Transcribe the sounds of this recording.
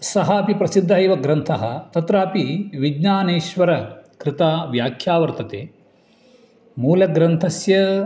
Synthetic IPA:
sɐɦaːpipɾɐsid̪ʱːɐɐːʋɐɡɾɐnt̪ʰɐɦɐt̪ɐt̪ɾaːpiʋid͡ʒɲaːneːʃʋɐɾɐkɾɪt̪aːʋjaːkʰjaːʋɐɾt̪ɐt̪ḛː | muːlɐɡɾɐnt̪ʰɐsjɐ

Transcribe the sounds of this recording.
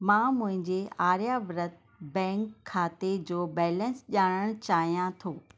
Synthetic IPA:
mãːmʊ̃ɦɪ̃ɲd͡ʑeaːɾjaʋɾət̪̚ | bɛ̃ːŋkʰːaːt̪ed͡ʑoːbɛːlənsʄaːɽ̃əɽ̃t͡ɕaːɦijãt̪ʰoː

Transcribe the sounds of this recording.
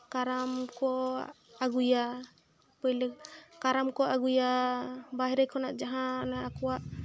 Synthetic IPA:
kaɾamkɔ | aɡuja | pɔjlɛkaɾamkɔʔaɡujabaɦɾajkʰɔnaʔd͡ʒaɦãnaːkɔwaʔ

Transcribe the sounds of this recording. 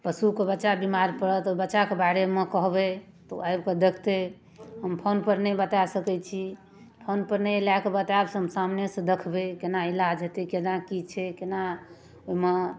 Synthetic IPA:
pəsukebətːʃabimaɾpəɽət̪obətːʃakebaɾemekəɦbe | t̪oajbked̪ekʰt̪e | ɦəmpʰonpəɾnɛbət̪asəkɛt͡ʃʰi | pʰonpəɾnɛlakebət̪absɦəmsamnesə̃d̪ekʰbekenailad͡ʒɦet̪ekenakit͡ʃʰɛkena | oime

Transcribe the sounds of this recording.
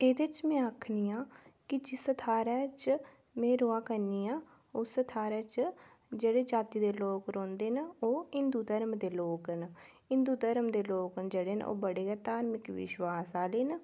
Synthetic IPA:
eːd̪ɪt͡ʃmɛ̃ːakʰniːãːkɪd͡ʒɪsət̪ʰaːɾɛːt͡ʃ | mɛ̃ːɾoːaːkəɾniːãː | oːsət̪ʰaːɾɛːt͡ʃ | d͡ʒeːɽeːd͡ʒaːt̪iːd̪eːloːkɾõːnd̪eːnoːɦɪnd̪uːd̪əɾmd̪eːloːkən | ɪnd̪uːd̪əɾmd̪eːloːkənd͡ʒeːɽeːn̰o̰ːbəɽeːɛːt̪aːɾmɪkʋɪ̰ʃwaːsaːleːn

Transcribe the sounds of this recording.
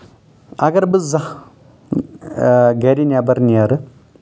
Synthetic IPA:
ɐ̰ɡɐɾbɨzɐ | ɡɐɾinʲabɐɾniaɾɨ

